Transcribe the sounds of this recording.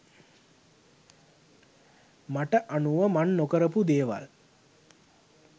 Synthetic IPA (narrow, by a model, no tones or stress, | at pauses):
maʈəʔanuʋəmanːokəɾəpud̪eːʋa̰l